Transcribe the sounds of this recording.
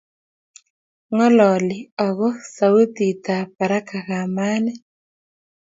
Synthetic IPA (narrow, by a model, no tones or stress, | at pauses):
ŋoloːliaɣoxsawut̪it̪apaɾakaɣaːmaːne